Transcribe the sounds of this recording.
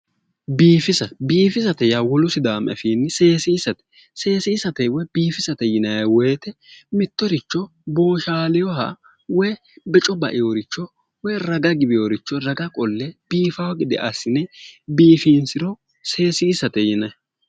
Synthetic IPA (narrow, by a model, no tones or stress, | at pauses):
biːfɪsɐbiːfɪsɐt̪ɛjawɔlʊsɪd̪aːmʔɛ̰fiːnːɪseːsɪːsɐt̪ɛ̥ | se̞ːsɪːsɐt̪ɛwɔjbiːfɪsɐt̪ɛjɪnɐjɐwɛjt̪ɛmɪt̪ːɔɾɪt͡ʃːɔ | bo̞ːʃaːlɪjɔɦɐ̰ | wɔj | bɛt͡ʃʼɔbɐ̰ʔɪjoɾɪt͡ʃːɔ | wɔjɾɐɡɐɡɪbɪjoɾɪt͡ʃːɔɾɐɡɐkʼɔlːɛb̥iːfɐwɐɡɪd̪ɪʔɐsɪnɛbiːfiːnsɪɾɔ | se̞ːsɪːsɐt̪ɛjɪnɐj